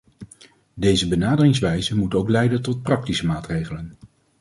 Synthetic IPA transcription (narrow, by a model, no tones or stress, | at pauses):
dejzəbənaːdərɪŋsʋɛjzəmutowklɛjdəntɔt̚prɑk̚tisəmaːtrejχələn